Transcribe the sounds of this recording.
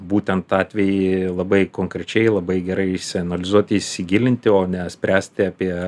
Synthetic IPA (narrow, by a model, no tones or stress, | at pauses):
buːt̪ʲɛnt̪ɑːt̪ʲʋʲɛjɪlˠɐbɐɪkoːŋkɾʲɛt͡ʃʲɛɪlˠɐbɐɪɡʲɛɾɐɪɪʃsʲɪɐnɐlʲɪzuɔt̪ʲɪɪʃʲsʲɪɡʲɪlʲɪnʲt̪ʲɪoːnʲɛsʲpʲɾʲæːsʲt̪ʲɪɑpʲiɛ